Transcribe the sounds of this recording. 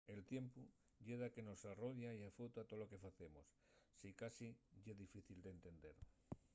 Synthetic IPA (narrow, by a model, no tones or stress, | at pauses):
e̞lt̪je̞mpu | ʝeðake̞no̞saroʝaiafot̪at̪oloke̞faθe̞mosː | ikasiʝeðifiθild̪ent̪e̞nd̪e̞ɾ